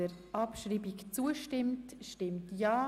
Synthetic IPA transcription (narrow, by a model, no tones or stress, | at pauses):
əɾʔɑpʃɾiːbikt͡suəʃtɪmtʃtɪmtjaː